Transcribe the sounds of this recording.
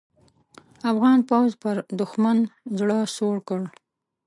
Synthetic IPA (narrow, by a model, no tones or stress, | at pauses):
afɣɑnpawzpəɾd̪ʊxmanzɽəsoɽkəɽ